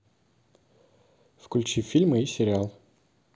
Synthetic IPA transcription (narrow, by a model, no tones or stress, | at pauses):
fkʊlʲt͡ɕifʲilʲmɨisʲɪɾʲɪalˠ